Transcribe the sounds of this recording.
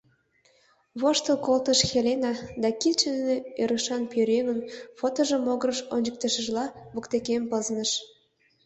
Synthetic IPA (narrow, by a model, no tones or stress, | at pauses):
βoʃt̪ə̆lkolt̪əʃxelenɑd̪ɑkilt͡ɕĕnːeøɾə̆ʃɑnpøɾeɣə̆nfot̪oʒə̆moɣəɾəʃonʲd͡ʑək̚t̪əʃə̆ʒlɑβə̆kt̪ekempɤznə̆ʃ